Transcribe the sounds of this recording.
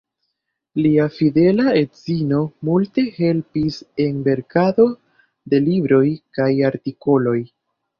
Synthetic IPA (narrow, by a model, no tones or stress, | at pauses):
liafide̞laetzino̞multe̞he̞lpise̞nbe̞ɾkado̞ | de̞libɾo̞jkajaɾtiko̞lo̞j